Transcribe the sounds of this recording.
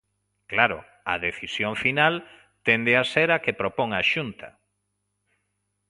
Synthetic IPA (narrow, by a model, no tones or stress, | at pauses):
klaɾʊ̰ | a̰ðeθisjoɱfinal | t̪end̪easeɾakepɾopoŋaʃunt̪a̰